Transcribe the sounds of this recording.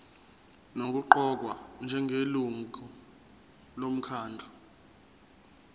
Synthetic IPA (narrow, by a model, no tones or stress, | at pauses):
nok̬uǃɔk̬wand͡ʒʱɛŋʱeluŋɔ | lom̩kʰaːndʱɔ